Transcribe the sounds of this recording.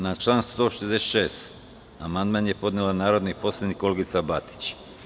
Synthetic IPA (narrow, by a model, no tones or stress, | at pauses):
nat͡ʃlˠaːnsu̥t̪oːʃezd̪ese̥t̪ʃeːst̪ | amand̪manjepo̞d̪nelanaːɾod̪nipo̞slʲˠed̪nikolɡit̪sabat̪i̥t͡ɕ